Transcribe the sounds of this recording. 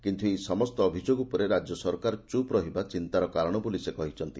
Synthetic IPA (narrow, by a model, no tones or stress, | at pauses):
kint̪ʰuesɔmɔst̪ɔːbʱid͡ʒoɡupɔɾeɾad͡ʒjɔsɔɾkaɾɔt͡ʃupɾɔɦibat͡ʃint̪aɾɔkaɾɔɽ̃ɔbulisekɔɦit͡ʃʰɔnt̪i